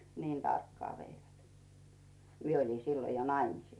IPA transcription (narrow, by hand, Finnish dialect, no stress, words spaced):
niːn tɑrkːɑː ʋeiʋæt mie oli siːlo jo nɑimisiˑs